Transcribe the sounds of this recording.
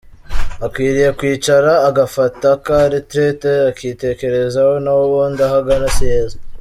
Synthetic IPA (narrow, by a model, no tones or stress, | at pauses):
akwiːɾije̞kwiːt͡ʃaɾaːɡafatakaɾitɾeteakiːte̞ːke̞ɾe̞zawo̞nawoβoːndaɦaɡanasijeːzo